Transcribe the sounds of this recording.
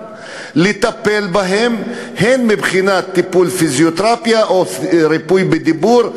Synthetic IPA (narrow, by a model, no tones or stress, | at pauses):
let̪apelbaɦemhenmibχinat̪ːipulfizjot̪ʁapjaʔoɾipujbed̪ibuɾ